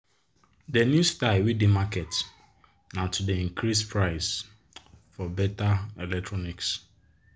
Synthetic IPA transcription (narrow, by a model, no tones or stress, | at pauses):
denustaɪwidimakɛt | nãtʰudeĩŋkʰɾispʰɾaɪs | fɔbɛtaɛlɛk̚tʰɹɔniks